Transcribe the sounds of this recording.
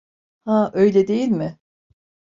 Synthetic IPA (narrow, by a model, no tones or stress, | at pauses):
hãʔø̞jlʲɛd̪e̞jilʲmɪ